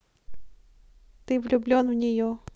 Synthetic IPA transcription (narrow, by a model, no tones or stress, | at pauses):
t̪ɪʋlʲʊblʲɔnwnʲɪjɔ